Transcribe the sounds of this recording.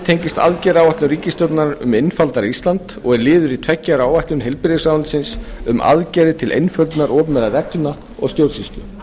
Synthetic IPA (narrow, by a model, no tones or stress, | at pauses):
t̪ʰejɲcɪst̪a̰ðcɛɾawaht̪lʏnriːcɪst̪œt̪naɾʏ̰mejnfalt̪aɾist̪lant̪ɔɣɛɾlɪːðʏɾit̪ʰvɛcːaɾaːwvaht̪lʏnɦejlpɪɾðɪsaːwnsɪnsʏmʔa̰ðcɛɾɪt̪ʰɪlʔḛjnfœlt̪naɾʔɔːpnmɛðaɾɛk̪na | ɔ̰ɣst̪jowɾsist̪lʏ